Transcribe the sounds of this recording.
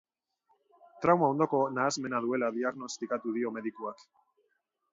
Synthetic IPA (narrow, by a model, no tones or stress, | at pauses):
t̪ɾawmao̞nd̪o̞ko̞naːzme̞naðue̞laðiaɣno̞st̪ikat̪uð̞io̞me̞ðikuak